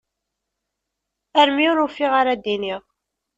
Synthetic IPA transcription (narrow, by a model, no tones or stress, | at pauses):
æɾmiʊɾufiʁaɾad̪iniʁ